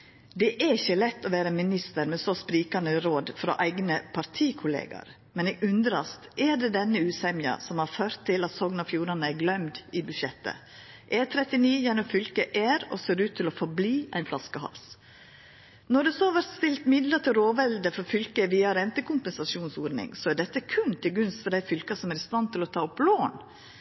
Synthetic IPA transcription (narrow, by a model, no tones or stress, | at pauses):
d̪ɛʔæɪçəlɛt̪ːɔʋæːɾəmɪnɪst̪əɾmɛsospɾiːkɑnəɾoːd̪fɾo̰ːʔæɪɡnəpʰɑɾt̪ʰiːkʰʊlḛːɡɑ̰ɾ | mɛneːɡʉnd̪ɾɑst̪ʔɛɖɛd̪ɛnːəʉːsɛmjɑ̰sɔmhɑɾføːɾt̪ʰːɪlɑt̪sɔɡnɑfjuːɾɑnəæɾɡlœmd̪ɪbʉʃɛt̪ːə̰ | ʔɛt̪ʰɾɛt̪ɪniːjɛnɔmfʏlkəʔæːɾɔ̰seːɾʉːt̪ʰːɪlɔfɔɾbliːæ̰ɪnflɑskəhɑ̰ls | nɔɖɛsoːʋæɾst̪ɪlt̪mɪd̪lət̪ʰɪɾoːʋɛld̪əfɔɾfʏlkəʋiːɑɾɛnt̪əkʰʊmpɛnsɑsuːnsuːɾnɪ̰ŋsɔæɖɛt̪ːəkʰʉnt̪ʰɪlɡʉnst̪fɔɾɖæɪfʏlkɑsɔmæɾɪst̪ɑnt̪ʰɪlɔt̪ʰɑːɔploːn